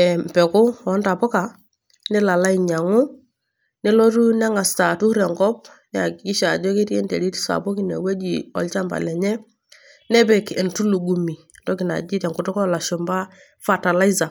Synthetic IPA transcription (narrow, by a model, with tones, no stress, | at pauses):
ɛ˨m˨pɛ˨kʊ˦wɔ˨˦nta˨pɔ˦ka˨ | nɪ˦la˨la˦i˨ɲa˨ŋʊ˦ | nɛ˦lɔ˦ɾu˦nɛ˦ŋa˨sta˨tu˦ɾɛ˨ŋɡɔ˦p̚ | a˨kki˦ʃa˨d͡ʒɔ˦ke˦tɛ˦ndɛ̰˨ɾi˦ti̥˦sa̰˨bʊ˦ki˨˦nɛ̰˨we˦d͡ʒi˨ɔ̰˨lt͡ʃa˦mba̰˨lɛ˨ɲɛ˦ | nɛ˦bɛ˨kɪ˨ntu˦lu˨ɡu˨mi˨ | tɔ˦kɪ˨na̰˨d͡ʒi˦tɛ˨ŋkʊ˨tʊ˦kɔ˦la˨ʃʊ˨mba˦ | fa˨ta˨la˦i˦za˨